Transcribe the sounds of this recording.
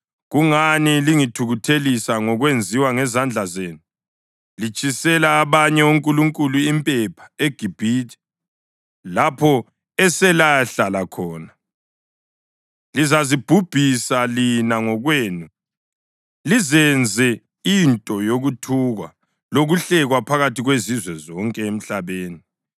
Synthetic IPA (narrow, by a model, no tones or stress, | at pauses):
ɣuŋaniliŋitʰuɣutʰelisaŋɔɣwend͡zʱiwaŋɛzand͡ɮʱazeːnu | lit͡ʃʼisɛlaːβaɲɛuŋkʼuluŋkʼuluimpʼɛpʰḁeɡ̥ʱib̥ʱiːtʰʼi̥ | lapʰɔ | ɛsɛlaɬalakʰɔːna | lizazib̥ʱub̥ʱisalinaŋɔɣweːnu | lizɛnd͡zʱɛ | intʼɔjoɣutʰuɣa̰ | loɣuɬɛɣwapʰaɣatʰiɣwezizwɛzɔŋkʼɛem̩ɬaβeːni